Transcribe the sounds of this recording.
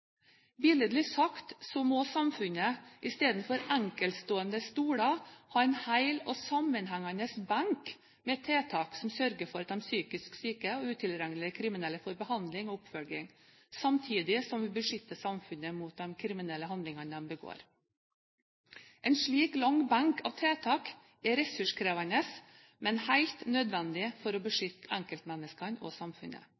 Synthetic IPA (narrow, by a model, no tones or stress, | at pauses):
bɪləd̪lɪsɑkt̪sɔmɔsɑmfʉnəʔɪst̪eːd̪n̩fɔɾæŋkəlt̪st̪oːənd̪əst̪uːɽɑhɑːɛnhæɪlɔsɑmənɦæŋːɑnəsbæŋk | mɛt̪ʰːeːt̪ʰɑːksɔmsœɾɡəfɔɾɑt̪̚d̪ɛmsyːkɪsksyːkəɔʉːt̪ʰɪlɾæŋlɪəkʰɾɪmɪnɛlːəfɔɾbəhɑnd̪lɪŋɔʊpfœlɡɪŋ | sɑmt̪ʰiːd̪ɪsɔmʋɪbəʂʏt̪ːəsɑmfʉnəmuːt̪̚d̪ɛmkʰɾɪmɪnɛlːəhɑnd̪lɪŋɑnd̪ɛmbəɡo̰ːɾ | ʔɛnʂɭiːklɑŋbɑŋkʰɑ̰ːʋt̪ʰeːt̪ʰɑːk | ɛɾɛsʉʂkʰɾeːʋɑnəs | mɛnhæɪlt̪nød̪ʋɛnd̪ɪfɔɾɔbəʂʏt̪ːəæŋkəlt̪mɛnːəskɑnɔ̰sɑmfʉnə̰